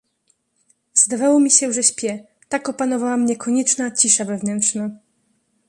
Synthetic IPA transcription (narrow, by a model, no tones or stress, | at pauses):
z̥d̪avawɔmʲiɕɛʐɛɕpʲjɛ | t̪akɔpanɔvawamɲɛkʰɔɲɛt͡ʂnat͡ɕiʂavɛvnɛnt̪ʂna